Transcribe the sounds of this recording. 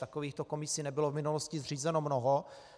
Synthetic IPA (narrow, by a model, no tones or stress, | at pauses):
t̪akoviːxt̪oko̞mɪsɪnɛbɪlovmɪnuloscɪzr̝iːzɛnomnoɦo